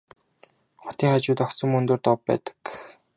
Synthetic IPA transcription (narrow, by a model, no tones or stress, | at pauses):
χʊ̥t̪iːŋat͡ɕʊːt̪ɔk̪t͡sə̆mɵnt̪oːrt̪ɔpːæ̰ːt̪ə̥k